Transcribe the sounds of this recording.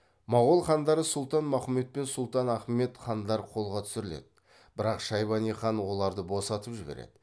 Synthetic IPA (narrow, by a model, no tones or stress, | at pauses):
mɑʁolˠχɑnd̪ɑɾəsʊlˠt̪ɑnmæχme̞t̪̚pe̞nsʊlˠt̪ɑnæχme̞t̪χɑnd̪ɑɾqʰo̞lˠʁɑt̪ʰʏ̥sɪɾɪle̞̰d̪̥ɪ | bɪɾɑqʃɑjβɑnijχɑnwo̞lˠɑɾd̪əbosɑt̪əpʒɪbeɾḛd̪̥ɪ